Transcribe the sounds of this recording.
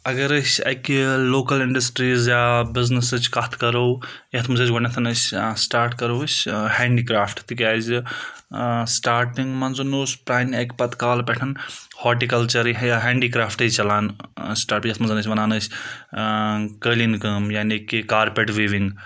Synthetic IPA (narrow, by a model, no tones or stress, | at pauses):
ɐɡɐɾɨsʲɐ̰kiloːkɐliɳɖɐsʈɾiːzjaːbiznɐsɨt͡ʃʰkɐt̪ʰkɐɾowjɐt̪ʰmɐzɐːt͡ʃʲɡonet̪ʰɐnɐt͡ʃʲsʈaːɾʈkɐɾot͡ʃʲheːɳɖiːkɾaːpʰʈt̪ʰik̬ʲaːz | sʈaːɾʈiŋɡmɐnzunoːspɾaːniɐkpɐt̪kaːlpɛʈʰɐnhɔːʈikɐlt͡ʃɐɾjaɦeːɳɖikɾaːpʰʈɨt͡ʃɐlaːnsʈaːɾʈjet̪ʰmɐnzɐnɨt͡ʃʰʲʋɐnaːnɨt͡ʃʲ | kəːlinkəːmjaːnekːikaːɾpeʈʋiːʋiŋɡ